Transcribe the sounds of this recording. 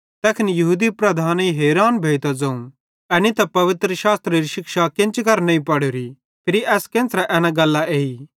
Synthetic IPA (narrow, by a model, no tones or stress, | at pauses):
t̪ɛːkʰɪnjɐɦuːd̪ipɾɐd̪ʱaːniɦeːɾaːnbʱeːt̪ad͡zɐ̃ũ | ɛnit̪ɐpɐʋɪt̪ɾəʃaːst̪ɾeɾiʃɪkʃakɪ̃nt͡ʃkɐɾnɐ̃ĩpɐɽoːɾi | pʰɪɾiʔɛːskẽːnt͡sɾɛʔɛːnãɡɐlːaʔeːi